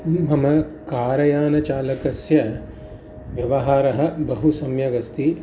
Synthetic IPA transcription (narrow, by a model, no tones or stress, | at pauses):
mɐmɐkaːɾɐjaːnɐt͡ʃaːlɐkɐsjɐ | ʋjɐʋɐɦaːɾɐɦɐ̆bɐɦusɐmjɐɡɐst̪i